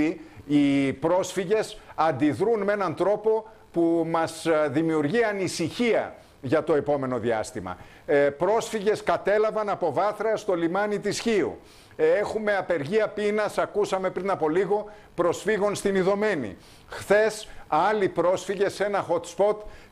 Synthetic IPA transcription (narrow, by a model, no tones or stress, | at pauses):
iipɾo̞sfiʝe̞sɐnd̪iðɾunme̞nɐnt̪ɾo̞po̞ | pumɐsðimiuɾʝiɐnisiçiɐ̰ | ʝɐt̪o̞e̞po̞me̞no̞ðiɐ̰st̪imɐ̰ | pɾo̞sfiʝe̞skɐt̪e̞lɐvɐnɐpo̞vɐθɾɐst̪o̞limɐnit̪isçiṵ | exume̞ɐpe̞ɾʝiɐpinɐsɐkusɐme̞pɾinɐpo̞liɣo̞ | pɾo̞sfiɣo̞nst̪iniðo̞me̞nḭ | xθe̞sɐlipɾo̞sfiʝe̞se̞nɐxo̞t̪spo̞t̪